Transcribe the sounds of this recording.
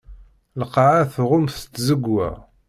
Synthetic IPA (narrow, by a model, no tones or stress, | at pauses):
ləqːʕaθʁʊmθt̪ːzəɡwæ̰